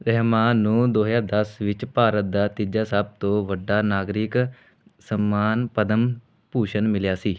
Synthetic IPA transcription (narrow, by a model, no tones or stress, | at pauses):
ɾɛɦmaːnũːd̪oːɦd͡ʒaːd̪əsʋɪt͡ʃpaːɾət̪̚d̪aːt̪ɪd͡ʒaːsaːb̚t̪õːʋəɖːaːnaːɡɾɪk | səmːaːnpəd̪əm | puːʃənmɪljaːsiː